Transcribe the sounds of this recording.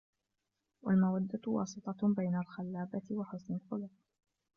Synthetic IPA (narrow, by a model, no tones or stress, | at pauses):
walmawad̪ːawɑ̰ːsˤɨt̪ˤɑbajnalxalːaːbat̪ɪwaħʊsnalqʊluːq̚